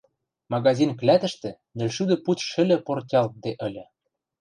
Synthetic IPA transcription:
mɑɣɑzinklʲæt̪ə̆ʃt̪ɘ̆ | nɘ̆lʲʃud̪ɤ̆put̪ʃɘ̆lʲɘ̆port̪ʲɑlt̪̚d̪eʔɘ̆lʲɘ̆

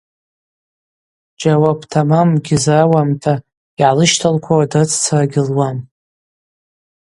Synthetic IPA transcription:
d͡ʒʼawapʰtʰamamɡʲɪzawamtʰa | jiʕalɨʃtʰalkʷʰawadat͡sʰt͡sʰaraɡʲɪlwam

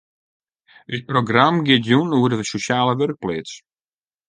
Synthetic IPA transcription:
ət̚proɡramɡɪtjunuədəvəsoʃjaːləʋørk̚pleːtt͡s

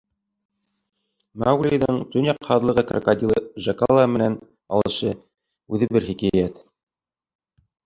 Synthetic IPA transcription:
mawɡlʲiðɤɴt̪ɵnjɑqhɑðlˠɤ̆ʁɤkrakad̪ʲilˠɤʒɑkɑlˠɑmɘ̆næn | ɑ̰lˠɤ̆ʃɤ | ʉðɘbɘɾhikæjæt̪

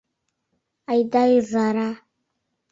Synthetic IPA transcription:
ajdaizaɾa

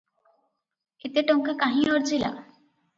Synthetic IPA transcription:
et̪eʈoŋkakaɦĩoɾd͡ʑila̰

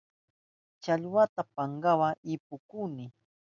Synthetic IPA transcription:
t͡ʃaʎwat̪apaŋɢawaɪpʊkunɪ

